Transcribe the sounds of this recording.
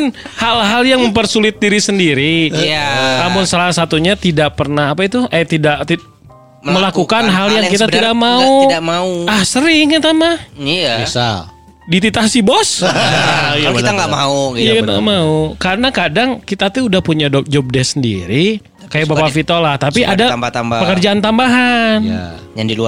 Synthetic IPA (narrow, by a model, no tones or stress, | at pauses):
nhalɦaljaŋməmpərsulɪt̪̚diɾisəndiɾi | namʊnsalasat̪uɲat̪idaʔ̚pərnahapait̪uʔat̪idaʔt̪i | məlakukanɦaljaŋkit̪at̪idak̚maudamauahsəɾɪŋat̪amaisa̰ | dit̪it̪asibɔs | jkiaŋɡaʔmauɡjakit̪a̰maukaɾənakadaŋkit̪at̪uudahpuɲadɔd͡ʒɔp̚dɛsəndḭɾi | kajabapafit̪olaht̪apiʔadaat̪amapəkərd͡ʒaant̪ambaɦana̰jaŋdilu